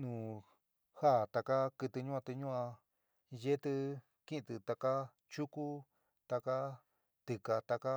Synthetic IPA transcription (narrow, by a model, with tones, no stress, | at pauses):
nũː˨ | ha˦˨t̪a˧ka˦kɨ˧t̪ɨ˧ɲũ˦a˧t̪ɨ˧ɲũ˦ã˧ | je˦t̪ɨ˧ | kĩ˦ʔt̪ɨ˧t̪a˧ka˦ | t͡ʃu˦ku˦ | t̪a˧ka˦ | t̪ɨ˧ka˧t̪a˧ka˦